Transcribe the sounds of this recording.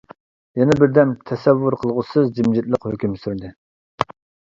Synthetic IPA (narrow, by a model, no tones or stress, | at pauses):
jɛnɛbɪɾd̪ɛmt̪ʰɛsɛvːʊɾqʰəlˠʁʊsɨzd͡ʒimd͡ʒit̪̚lˠəqhøkʲymsyɾd̪ɨ